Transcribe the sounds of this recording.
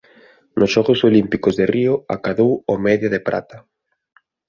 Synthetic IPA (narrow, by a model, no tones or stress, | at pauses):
nʔʊsʃɔɣosolimpikozðerioa̰kaðowomɛðjɐðepɾa̰t̪a